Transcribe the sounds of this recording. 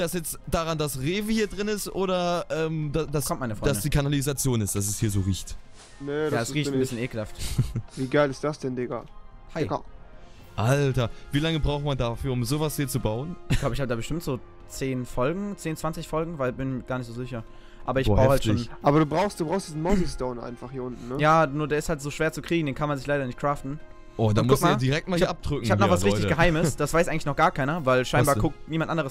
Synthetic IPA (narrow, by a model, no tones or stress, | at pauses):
d̥asjɛt͡std̥aːʁandasʁeːvn̩hiːɐdʁɪnɪstʔoːɾɐʔɛːmdadaskɔmtmaɪnəfʁ̥ɔḁasɡəd̥iːkʰanalizat͡sjoːnɪst̚d̥as̬ɛshiːɐzoːʁiːçt | neaasʁiːttn̩bɪsçjəneːkəl̩haftviːɡaɪlɪstd̥asd̥ɛndeɡa̰ | haɪ | ʔaltɐviːlaŋəbʁaʊxtmandafyːɐʊmzoːvashiːɐt͡subaʊənɪçlaʊbəɪçhaːbədaːbəʃtɪmtz̥oː | t͡seːnfɔlɡŋ̩t͡seːnt͡sv̥ant͡sɪçfɔlɡŋ̩vaɪlbɪnmɡaːɐnɪçtz̥oːzɪçɐ | ʔaːbɐɪçbʁaʊxhaltʃoːnʔaːbɐduːbʁaʊxst̚d̥ubʁaʊsd̥iːzn̩mɔsɪstoʊnʔa̰ɪnfaχhiːɐʔʊntn̩nəjaːnuːɐdeːɐɪsthaltz̥oːʃv̥eːɐt͡sukʁ̥iːɡŋ̩deːnkʰanmanzɪçlaɪɾɐnɪçt̚kʁ̥aːftn̩ | ʔoːdamkʊs̚mːd̥iʁɛk̚tmaːliʔap̚d̥ʁʏkŋ̩çaːənɔxvasʁɪtɪçɡəɦaɪməsd̥asv̥aɪsʔaɪɡŋlɪçnɔχɡ̥aːɐkʰaɪnɐvaɪlʃaɪnbaːɐkʰʊk̚tniːmantʔandəʁəs